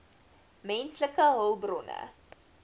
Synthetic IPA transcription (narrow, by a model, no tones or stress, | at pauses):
mɛnsləkəɦəlˠbrɔnə̰